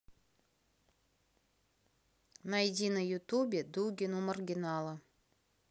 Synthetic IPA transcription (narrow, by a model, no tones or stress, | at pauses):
nɐjɪdʲinəjʊt̪ubʲɪd̪uɡʲɪnumərɡʲɪnɑlˠə